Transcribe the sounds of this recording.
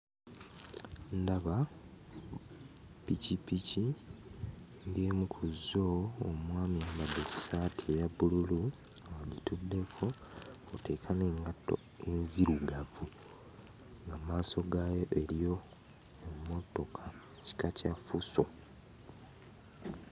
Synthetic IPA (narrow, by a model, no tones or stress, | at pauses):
ndaβa | picipici | ndeːmukʰuzoːmwaːmiaːmbadesaːtʰiejabululu | waɟitudːe̞kʰo̞ | ote̞kʰane̞ːŋɡatːo̞̰ | e̞nziɾuɡavu | ŋɡamaːso̞ɡaːjo̞ʔe̞ɾijo̞ | emmːo̞to̞kʰa | ci̥kacafuso